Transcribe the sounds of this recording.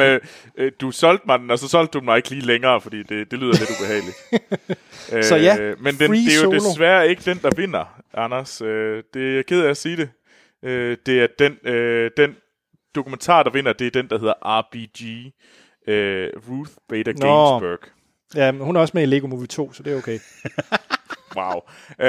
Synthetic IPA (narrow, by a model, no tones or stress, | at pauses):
d̥usɒ̽l̰d̥mɑ̈dn̩ɒ̽sɒ̽sɒ̽l̰d̥̚ːudn̩mɑ̈ɪe̝ɡ̥əliːleŋɐːfɒ̽d̥ḭːd̥e̝d̥e̝lyːð̰ˠle̝ɾ̥ub̥e̝ɦɛ̰ːɪlid̥ | øsɒjæmend̥ed̥ejodesʋæɐe̝ɡ̥əd̥en̰d̥ɑ̈ʋe̝n̰ɐʔɑnɐsød̥e̝jɑɪkʰeð̞ˠæsiːɾ̥e̝ | ød̥e̝æɐd̥enød̥en | d̥o̝kument͡sʰɑ̰̈ːd̥ɑ̈ʋe̝n̰ɐd̥e̝æɐd̥en̰d̥ɑ̈he̝ð̰ˠɐɐʔɑ̈b̥idi | øʁuθb̥eːd̥ɐesb̥øɐɡ̥ | jæhunæɐɒ̽smeele̝ːɡ̥o̝muʋt͡sʰo̝̰ːsɒ̽d̥eoʊkʰeɪ | wäʊ